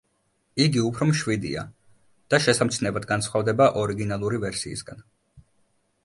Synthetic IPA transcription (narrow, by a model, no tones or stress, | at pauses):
iɡiupʰɾɔmʃwid̪ḭa̰ | d̪̥aʃɛsamt̪sʰnɛbad̪ɡansχavd̪ɛbaʔɔɾiɡinalˠuɾivɛɾsḭːsɡan